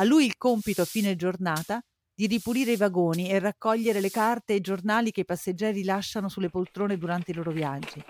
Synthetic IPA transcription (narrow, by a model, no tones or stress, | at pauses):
alːujilkompit̪oafiːned͡ʒornaːt̪a | d̪̥iɾipuɾiːɾeivaɡoːnierːakːɔʎːeɾelekart̪eid͡ʒornaːlik̟eipasːed͡ʒːɛːɾilaʃːanosulːepolt̪ɾoːned̪uɾant̪eiloːɾovjad͡ʒːi